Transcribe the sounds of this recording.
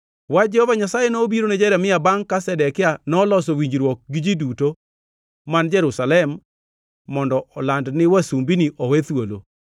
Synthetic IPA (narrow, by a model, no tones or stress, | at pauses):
wad͡ʒɛhɔvaɲasajenoːbiɾonɛd͡ʒɛɾɛmɪabaŋkasɛdɛkɪanɔlɔsɔwiɲd͡ʒɾwɔk̚ɡɪd͡ʒiduto | mand͡ʒɛɾusalɛmː | ɔndɔʔɔlandnɪwasumbiniʔɔwɛt̪wolo̰